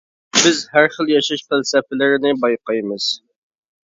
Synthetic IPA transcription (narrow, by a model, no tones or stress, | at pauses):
bɪzhæɾχəlˠjɑʃɑʃfælsɛfɪlɪɾɪnɪbɑjqɑjmɨz̥